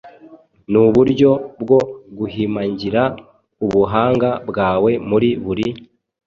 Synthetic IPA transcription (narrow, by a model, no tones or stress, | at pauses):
nuβuɾɟo̞bɡo̞ɡuhimaɲɟiɾa | uβuɦaːŋɡabɡaːwe̞muɾiβuɾi